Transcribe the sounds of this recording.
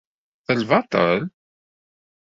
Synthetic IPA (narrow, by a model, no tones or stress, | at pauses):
θəlvɑt̪ˤə̰l